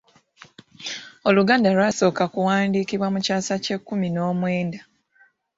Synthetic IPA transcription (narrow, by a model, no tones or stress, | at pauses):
o̞luɡaːndalwaso̞ːkakuwaːndiːkiβwamucaːsace̞kːumino̞ːmwe̞ːnda